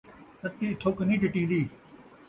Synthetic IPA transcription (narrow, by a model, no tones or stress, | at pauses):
səʈ̪ːiːɪt̪ʰoːknĩːɖɪʈĩːn̆d̪iː